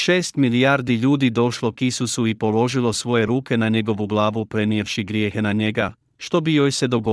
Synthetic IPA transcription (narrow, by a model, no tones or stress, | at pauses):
ʃe̞ːst̪milijaːɾd̪iʎuːd̪id̪o̞ʃlˠo̞kisusuipo̞lo̞ʒilˠo̞sʋo̞je̞ɾuːke̞naɲe̞ɡo̞ʋuɡlˠaːʋupɾe̞niefʃiɡɾjeːxenaɲe̞ɡa | ʃt̪o̞bijojse̞d̪o̞ɡo